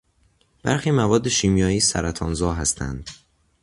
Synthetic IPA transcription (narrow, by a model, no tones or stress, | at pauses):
b̥æɾxiːmævɒːd̪ːe̞ʃiːmjɒːjiːsæ̰ɾæt̪ʰɒːnzɒːɦæst̪ʰæ̰nd̪̥